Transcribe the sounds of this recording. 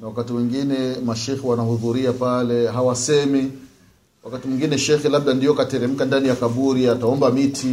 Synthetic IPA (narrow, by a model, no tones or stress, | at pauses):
nawakatimwɛŋɡinɛmaʃɛxɛwanahuðuɾiapalɛɦawasɛmi | wakatimwuŋɡinɛʃɛxɛlaɓ̚ɗandiɔkatɛɾɛm̩kandanijakaɓuɾiataɔmbamitʰi